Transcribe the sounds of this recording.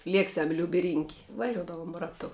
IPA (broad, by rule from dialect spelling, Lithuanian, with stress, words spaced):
ˈlʲiɛksʲɛm lʲʊpʲ ɪ rʲɪŋʲkʲ ʋɐˈʒʲuɔdɐʋoːm rɐˈtʊ